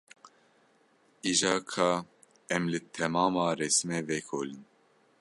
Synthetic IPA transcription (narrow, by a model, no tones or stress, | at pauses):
iʒɑːkʰɑː | ɛmlɨt̪ʰɛmɑːmɑːrɛsmɛvɛkʰoːlɨn